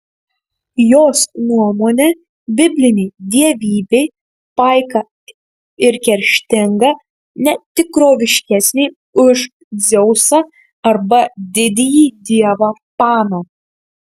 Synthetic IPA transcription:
joːsnuɔmoːnʲɛ | bʲɪbʲlʲɪnʲɛɪd̪ʲiɛʋʲiːbʲɛɪ | pɐˑɪkɐ | ɪɾkʲɛɾʲʃʲt̪ʲɪŋɡɐ | nʲɛt̪ʲɪkɾoːʋʲɪʃʲkʲɛsʲnʲɛɪ | ʊʃ | zʲɛʊsɐ | ɐɾbɐd̪ʲɪd̪ʲɪjiːd̪ʲiɛʋapɑːnɐ

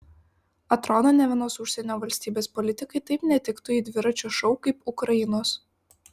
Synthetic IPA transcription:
ɐt̪ɾɔnoːnʲɛʋʲɪnoːsʊʃʲsʲɛnʲoːʋɐlʲsʲt̪ʲiːbʲeːspɔlʲɪt̪ʲɪkɐɪt̪ɐɪpnʲɛt̪ʲɪkt̪ʊid̪ʲʋʲɪɾɐt͡ʃʲuʃɔʊkɐɪpʊkɾɐjɪnoːs

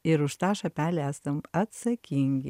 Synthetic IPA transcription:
ɪɾʊʃt̪ɑːʃɐpʲæːlʲæːst̪ɐmɐt̪sɐkʲiŋʲɡʲɪ

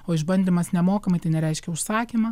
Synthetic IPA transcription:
oːɪʒbɐnʲd̪ʲimɐsnʲɛmoːkɐmɐɪt̪ɐɪnʲɛɾʲɛɪʃʲkʲɛʊʃsɑːkʲiːmɐː

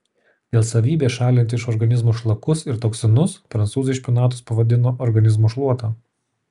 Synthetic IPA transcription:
d̪ʲeːlˠsɐʋʲiːbʲeːʃɑːlʲɪnt̪ʲɪʃɔɾɡɐnʲɪzmuːʃlˠɐkʊsɪɾt̪oːksʲɪnʊspɾɐnt̪suːzʲɐɪʃʲpʲʊnɑːt̪ʊspɐʋɐd̪ʲɪnoːʔɔɾɡɐnʲɪzmuːʃlˠuɔt̪ɑː

